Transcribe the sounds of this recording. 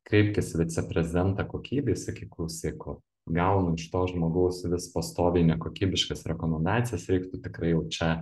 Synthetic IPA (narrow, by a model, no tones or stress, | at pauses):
kɾʲɛɪpʲkʲɪsʋʲɪt̪t͡s̪ʲɛpʲɾʲɛzʲɪd̪ʲɛnt̪ɑkoːkʲiːbʲeːsʲɪkʲɪklˠɐʊsʲeːkot̪ | ɡɐʊnʊɪʃt̪oːʒmoːɡɐʊsʋʲɪspɐst̪oːʋʲɛɪnʲɛkoːkʲiːbʲɪʃkɐsɾʲɛkoːmʲɛnd̪ɑːt̪ʲɪjɛsɾʲɛɪkt̪ʊt̪ʲɪkrɐɪjɛʊt͡ʃʲɛ